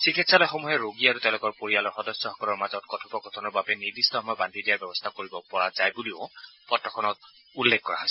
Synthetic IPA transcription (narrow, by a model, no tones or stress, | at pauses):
sɹikitsalɔjxɔmɔɦɛɹoɡiaɹutɛʊ̃lʊkɔɹpoɹialɔɹxɔdɔsɔxɔkɔlɔɹmazɔt̚kɔtʰɔpɔkɔtʰɔnɔɹbabɛniɹdistɔhɔmɔjɔbandʱidijabɛbɔst̪ʰakoɹibɔpɔɹazajbuliʊpɔtɹɔkʰɔnɔt̚ | ulːekkɔɹa̰ɦɔjsɛ